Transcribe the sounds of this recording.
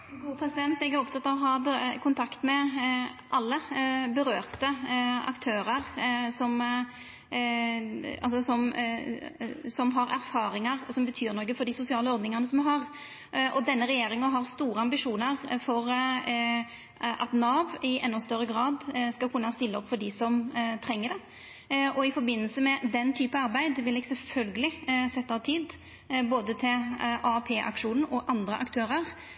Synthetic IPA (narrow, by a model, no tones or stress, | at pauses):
ɡuːəpʰɾɛsɪd̪ɛnt̪ɛɡæɾʊp̚t̪ɑt̪ːɑːʋɔɦɑbkʰʊnt̪ʰɑkt̪mɛ | ʔɑlːəbəɾøːʁt̪əɑ̰kt̪ʰøːɾəʁsɔm | ɑ̰lsɔsɔm | sɔmɦɑɾæɾfɑːɾɪŋɑʁsɔmbət̪ʰyːɾnɔkːəfɔɾd̪ɪsʊsɪɑːləɔɾd̪nɪŋɑʁnəsɔmɛɦɑʁ | ʔɔd̪ɛnːəɾɛjeːɾɪŋəɦɑʁst̪uːɾəɑmbɪʂuːnəʁfɔɾ | ʔɑt̪nɑːʋɪʔɛnːʊst̪œɾːəɡɾɑːd̪skɑkʰʊnːɑst̪ɪlːəɔpːfɔɖɪsɔmt̪ʰɾɛŋːədɛ | ʔɔɪfɔɾbɪnːəlsəmɛd̪ɛnt̪ʰyːpɑɑɾbæɪd̪ʋɪlɪɡsɛlfœlɡəlɪsɛt̪ːɑɑt̪ʰiːd̪ | boːd̪ət̪ʰɪlʔɑpʰeːʔɑ̰kʂuːnn̩ɔʔɑnd̪ɾə̰ʔɑ̰kt̪ʰøːɾəʁ